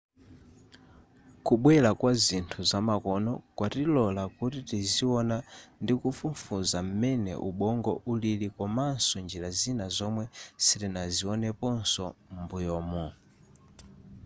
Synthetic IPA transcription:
kuɓwɛlakwazintʰuzamakɔnɔkwatilɔlakutitiziwɔnandikufuɱfuzam̩mɛnɛ̰ʔuɓɔŋɡɔʔulilikɔmansɔnd͡ʒiɾazinazɔmwɛsitɛnaziɔnɛpɔnsɔmbujɔːmɔ

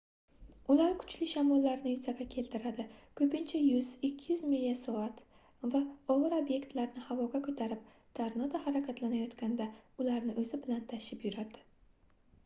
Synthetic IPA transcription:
ʊlaɾkʰʊ̥t͡ʃlɪʃamɒlːaɾnɪjʊzaɡʲakʲʰe̞lt̪ʰɪɾad̪ɪkʰɵpɪnt͡ʃʰajʊzɪkʲʰːɪjʏzmilijasɒat̪ | vaɒʁɨɾobje̞kt̪laɾnɪhavɒɡʲakʰɵt̪ʰaɾɪp̚ | t̪ʰaɾnɒd̪ahaɾakʲʰat̪lanajɒt̪kʲand̪aʊlaɾnɪʔɵzɪbɪlant̪ʰaʃɪpjʊɾad̪ɪ̥

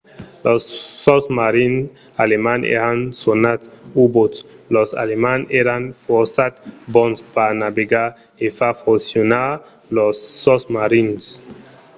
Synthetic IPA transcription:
losːɔsmaɾin | alemanḛɾansonat̪ubotlosa̰lemaneɾanfoɾsat̪bɔnspanabeɡa | efafusjona | losːɔsmaɾins

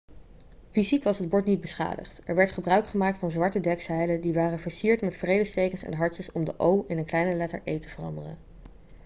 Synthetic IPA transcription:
vizikʋɑsɦəd̚bɔɹtnid̚bəsχa̰ːdə̰χtɛɹʋɛɹtχəbrœɥkχəmaːk̚tfɑnzʋɑɹtədɛksɛjlədiʋaːrəv̥əɹsiːɹtmɛtfrejdəstejkənsɛ̰nɦɑɹt͡ʃəsɔmdəʔowɪnənklɛjnəlɛtə̰ɹʔejtəvərɑ̰ndərə̰n

